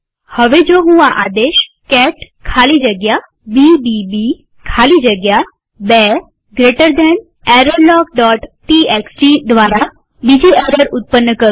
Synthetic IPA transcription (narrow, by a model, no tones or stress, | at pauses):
həʋed͡ʒoːɦũãʔa̰d̪eʃ | kɛʈ | kʰalid͡ʒəɡja | bibibi | kʰalid͡ʒəɡja | bɛ | ɡɾeʈəɾd̪ɛn | ɛɾəɾlɔːk̚ɖɔʈʈieksd͡ʒid̪ʋaːɾa | bid͡ʒiɛɾəɾʊt̪̚pənːəkəɾ